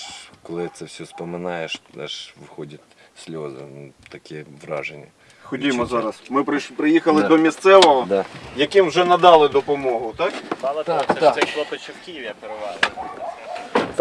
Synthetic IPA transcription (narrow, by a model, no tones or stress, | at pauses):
kɔlˠɪt̪sɛwsʲɔspɔmɪnɑjeʃt̪ɛ̰ʃʋɪxɔdʲɐt̚ʲ | sʲlʲozɪ̰nt̪ɐkʲɛʋɾɑ̰ʒenʲːi | xɔdʲijmɔzɑɾɐsmɪpɾɪpɾɪjixɐlˠɪd̪ɔmʲist̪sɛʋɔɦɔd̪jɐkɪmwʒɛnɐd̪ɑlˠɪd̪ɔpɔmɔɦʊt̪ɑkɑlˠɐsɛlˠɔpɔt͡ʃɪwkʲiʋʲjɐpeɾɪʋɑlˠ